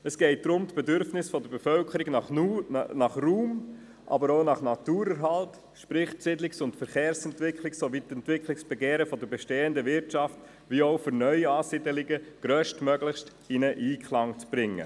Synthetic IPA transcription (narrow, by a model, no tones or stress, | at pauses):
əsɡ̥ɛɪt̚d̥ɾʊmt̪b̥ɛdʏɾfnɪsfɔd̪əɾbefœlkʰəɾiɡnɑχunɑχruːm | ʔɑ̰bəɾoʊnɑχnɑt̪uːɾəɾɦɑlt | ʃpɾɪχtsɪdlɪksʊntfəɾχeːɾsɛntʋɪkχlɪksoʋit̪ɛntʋɪkχlɪksb̥ɛɡeːɾəfɔd̪əɾbɛʃteːəndəvɪɾtt͡ʃɑft | ʋiːoʊføɾnœʏɑːsɪdəlɪɡəɡ̥ɾœːʃtmœɡlɪχst | inəʔiːkχlɑŋt͡sb̥ɾɪŋːə̰